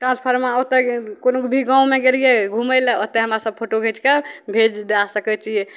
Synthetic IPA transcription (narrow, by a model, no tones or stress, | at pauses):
ʈɾãnspʰəɾmaot̪ɛkonokbʱiɡãũmeɡelijeɡʱũməjlɛot̪ːɛɦəmɾasəb̚pʰoʈoɡʱet͡ʃkebʱed͡ʒd̪easəkɛt͡ʃije